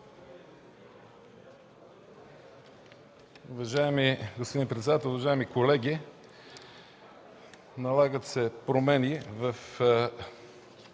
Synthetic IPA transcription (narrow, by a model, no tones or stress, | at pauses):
uvɐʒaɛmiɡospod̪inpɾɛt̪sɛd̪at̪ɛlˠʊvɐʒaɛmikolɛɡʲi | nɐlˠaɡət̪sɛpɾomɛnivəf